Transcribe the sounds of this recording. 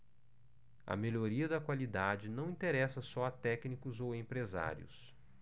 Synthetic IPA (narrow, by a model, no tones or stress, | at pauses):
ɐ̰meʎoɾiɐd̪ɐkwalid̪ad͡ʒɪnɐ̃w̃ĩt̪eɾɛsɐsɔat̪ɛknikʊzowẽmpɾeza̰ɾjʊ̰s